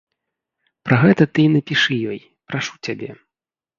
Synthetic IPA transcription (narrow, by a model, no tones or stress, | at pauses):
pɾʔɐɣɛt̪ɐt̪ɨnɐpʲiʂɨjɔj | pɾaʂut͡sʲabʲɛ